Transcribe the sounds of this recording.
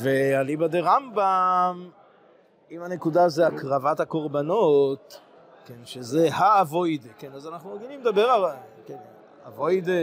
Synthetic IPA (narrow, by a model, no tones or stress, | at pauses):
vealibad̪eʁambam | imanekud̪azeakʁavat̪hako̞ʁbano̞t̪ | kenʃezehaːvo̞jd̪ekenazanaχnumoɡilimed̪abeʁalken | avo̞jd̪e